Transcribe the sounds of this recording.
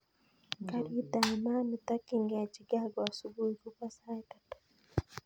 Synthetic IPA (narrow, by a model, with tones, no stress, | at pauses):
kaɾi˦da˨ma˦mi˨ta˦kiŋɡa˨a˨t͡ʃiɡa˦ɡɔ˨asubu˦iku˦ka˦sa˦i˦tatu̥